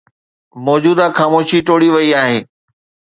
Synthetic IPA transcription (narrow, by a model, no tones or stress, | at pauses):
mɔːd͡ʑuːd̪axaːmoːʃiʈoːɽiʋɐiaːɦeː